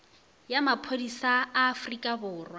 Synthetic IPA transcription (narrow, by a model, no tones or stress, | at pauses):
jamapʰodisaːfrikʼabʊːrwa